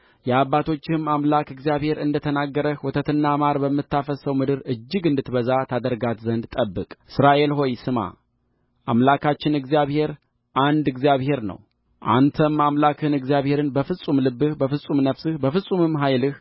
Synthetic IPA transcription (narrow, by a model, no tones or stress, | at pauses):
jɛabːat̪ʰo̞t͡ʃːɪmamlakɨɡzijaβhe̞ɾɨnd̪ət̪ʰənaɡːəɾəhwɔt̪ʰət̪ɨnːamaɾbəmːɨt̪ːafəsəwmɨd̪ɨɾɨd͡ʒːɪɡɨnd̪ɨt̪bəzat̪ʰad̪əɾɡat̪zənd̪t̪ʼəbːɨkʼɨsɾaʔe̞lɦo̞jsɨma̰ | ʔamlakʰat͡ʃːɪnɨɡzijaβhe̞ɾ | ʔand̪ɨɡzijaβhe̞ɾnə̰w | ʔa̰nt̪ʰəmamlakʰɨnɨɡzjaβhe̞ɾɨnbəfɨsʼumlɨbːɨhbəfɨsʼumnəfsɨhbəfɨsʼumɨmɦajlɨh